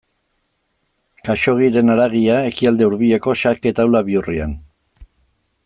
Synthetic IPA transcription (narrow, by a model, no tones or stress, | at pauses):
kaʃo̞ɣ̞iɾe̞naɾaɣiae̞kiald̪e̞uɾβieko̞ʃake̞t̪awlaβiuria̰n